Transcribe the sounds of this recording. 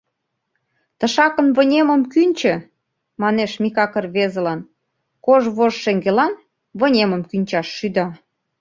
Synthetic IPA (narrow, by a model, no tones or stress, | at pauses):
t̪ə̆ʃɑkə̆nβə̆nʲemə̆mkynʲt͡ɕə̆ | mɑneʃmikɑkərβezə̆lɑn | koʒβoʒʃeŋɡelɑn | βə̆nʲemə̆mkynʲt͡ɕɑʃːyd̪ɑ